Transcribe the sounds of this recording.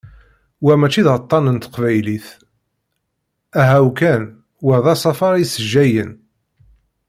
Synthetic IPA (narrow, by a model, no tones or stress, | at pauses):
wæmæt͡ʃːiðʁət̪ˤːɑnənt̪ə̥qvæjliθ | æɦæwkæn | wəɾðˤɑsˤɑfɑɾˤisəʒːæjən